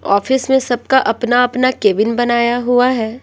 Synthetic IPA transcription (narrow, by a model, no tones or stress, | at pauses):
ɔ̰ːfɪsmẽsɐb̚kaʔɐpnaɐpnakeːʋɪnbɐnaːjaɦuaɦɛː